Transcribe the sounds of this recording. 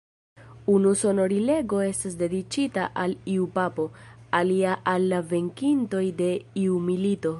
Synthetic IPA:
unuso̞no̞ɾile̞ɡo̞e̞stasde̞dit͡ʃitaʔaliupapo̞aliaʔalːave̞ŋkinto̞jde̞iumilito̞

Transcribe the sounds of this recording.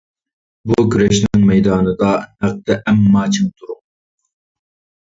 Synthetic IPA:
bukʲʰyɾɛʃnɪŋmɛjd̪ɑːnɨd̪ɑnæq̚t̪ɛʔɛmːɑːt͡ʃʰɪŋt̪ʰuɾuŋ̚

